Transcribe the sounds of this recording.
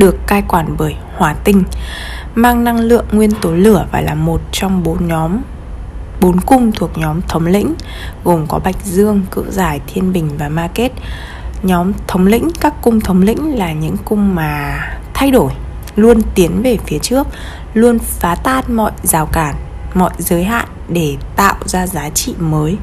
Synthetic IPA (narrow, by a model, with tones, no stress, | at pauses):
ɗɨ˨˩əkːaː˧jkwaː˧˩nɓəː˧˩jhwaː˨˩t̪ï˧ŋ̟ | maː˧ŋna˧ŋlɨ̰˧˨əŋːwi˧ənt̪o˨˦lɨ˧˩əvaː˨˩laː˨˩mo˨˩t̚t͡ɕɔ˧wŋ͡mɓo˨˦ɲɔ˨˦m | ɓo˨˦nkʊ˧ŋ͡mt̪ʰu˨˩ək̚ɲɔ˨˦mt̪ʰə˨˦wŋ͡mlḭ˧˥ŋ̟ | ɣo˨˩mkɔ˨˦ɓa˨˩jk̟̚zɨ˧əŋkɨ̰˧˨zaː˧˩jt̪ʰi˧ənɓï˨˩ŋ̟vaː˨˩maː˧ke˦˥t̚ | ɲɔ˨˦mt̪ʰə˨˦wŋ͡mlḭ̈˧˥ŋ̟kaː˦˥kːʊ˧ŋ͡mt̪ʰə˨˦wŋ͡mlḭ̈˧˥ŋ̟laː˨˩ɲɨ̰˧˥ŋkʊ˧ŋ͡mmaː˨˩t̪ʰa˧jɗo˧˩j | lu˧ənt̪i˨˦ənve˨˩fi˨˦ət͡ɕɨ˦˥ək̚ | lu˧ənfaː˨˦t̪aː˧n̚mɔ̰˧˨jzaː˨˩wkaː˧˩n | mɔ̰˧˨jzəː˨˦jɦa̰ː˧˨nɗe˧˩t̪a̰ː˧˨wzaː˧zaː˨˦t͡ɕḭ˧˨məː˨˦j